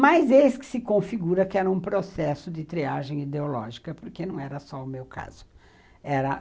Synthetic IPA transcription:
majzeskɪ̥sɪkõfiɡuɾɐkɪɛɾɐũpɾosɛsʊd͡ʒ̪ɪt̪ɾiaʒẽj̃id̪eolɔ̰ʒikɐpoɾkenɐ̃w̃ɛɾɐsɔʊmewkʰa̰z̥ʊ | ɛɾɐ

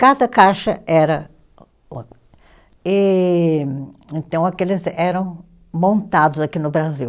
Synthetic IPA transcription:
kad̪ɐkaʃɐɛɾɐ | ot̪ | ɪ | ẽnt̪ɐ̃w̃akelɪzɛɾɐ̃w̃ | mõnt̪ad̪ʊzakinʊbɾaziw

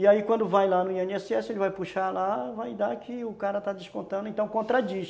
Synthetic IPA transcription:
ɪaikwɐ̃nd̪ʊvajlanʊĩẽnɛsɛsɪelɪvajpuʃalavajd̪akʰɪʊkaɾɐt̪ad͡ʒ̪ɪskõt̪ɐ̃d̪ɪẽt̪ɐ̃w̃kõt̪ɾad͡ʒiʃ

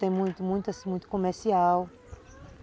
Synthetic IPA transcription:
t̪ẽj̃mũj̃t̪umũj̃t̪ɐsĩmũj̃t̪u̥komeɾsiaw

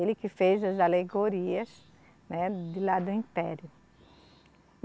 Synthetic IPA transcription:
elɪkɪfezɐzaleɡoɾiɐs | nɛd̪ɪlad̪ʊĩpɛɾjʊ

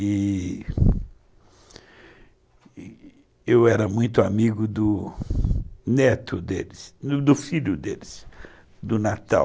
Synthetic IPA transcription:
ɪ | ewɛɾɐmũj̃t̪ʊamiɡʊd̪ʊ | nɛt̪ʰʊd̪ḛlɪsʊd̪ʊfiʎʊd̪elɪs | d̪ʊnat̪a̰w

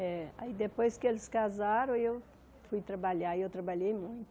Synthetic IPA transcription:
ɛa̰id̪epojskɪelɪskazaɾɐ̃w̃ew | fujt̪ɾɐbaʎaewt̪ɾɐbaʎejmũj̃t̪ʊ

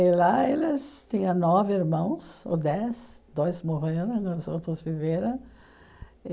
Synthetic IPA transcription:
ɪlaelɪst̪ĩɲɐ̃nɔvɪiɾmɐ̃w̃so̰d̪ɛsd̪̥ojsmoʁeɾɐ̃w̃zowt̪ɾʊzviveɾɐ̃w̃

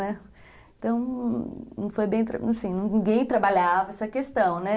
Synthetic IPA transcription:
nɛ | ẽt̪ɐ̃w̃ | nũw̃fojbẽj̃t̪ɾã̰sĩnĩnĩɡẽj̃t̪ɾabaʎavɐɛsɐkest̪ɐ̃w̃nɛ

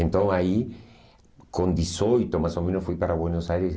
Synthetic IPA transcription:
ẽnt̪õŋai | kõnd̪isojt̪omasomẽnosfujpaɾaβwenosajɾes

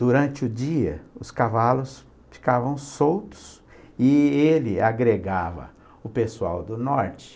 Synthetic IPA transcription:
d̪̥uɾɐ̃t͡ʃɪʊd͡ʒiɐ̰ʊskavalʊs | fi̥kavɐ̃w̃sowt̪ʊ̥s | ɪelɪaɡɾeɡavɐ̰ | ʊpesua̰wd̪ʊnɔɾt͡ʃɪ̥

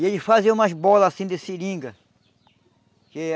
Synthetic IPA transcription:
elɪfaziɐũmɐzbɔlɐasĩd̪esiɾĩɡɐ | ke

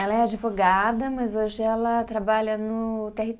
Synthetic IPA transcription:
ɛlɐɛad͡ʒivoɡad̪ɐmɐzoʒɪɛlɐt̪ɾabaʎɐnʊt̪ehi

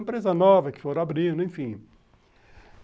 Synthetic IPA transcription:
mpɾezɐnɔvɐkɪ̥foɾabɾĩd̪ʊẽfĩ

